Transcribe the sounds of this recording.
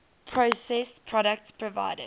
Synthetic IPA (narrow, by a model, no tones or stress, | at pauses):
pʰɹosɛspʰɹɔɾək̚tspʰɹɔva̰ɪdə̰̥